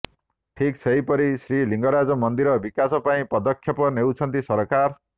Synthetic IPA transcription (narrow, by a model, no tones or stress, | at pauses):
ʈʰikt͡sʰʌjpʌɾisriliŋɡʌɾad͡zʌmʌnd̪iɾʌbikasʌpaĩpʌd̪ʌkʰːjʌpʌnewt͡sʰʌnt̪isʌɾkar